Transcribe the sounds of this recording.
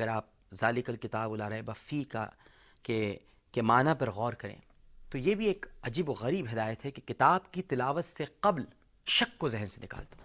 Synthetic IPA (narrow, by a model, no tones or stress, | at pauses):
ɐɡəɾaːp̚ | zaːlɪkəlkɪt̪aːbʊlaːɾɐɦẽbɐfika̰ | ke | kemaːnapɐɾɣɔːɾkɐɾḛ̃ː | t̪ojebʱieːkɐd͡ʒiːboɣɐɾiːbɦɪd̪aːjət̪ɦɛkekɪt̪aːbkit̪ɪlaːʋət̪seqɐbl | ʃɐkːozɪɦnsenɪka̰ːlt̪o̥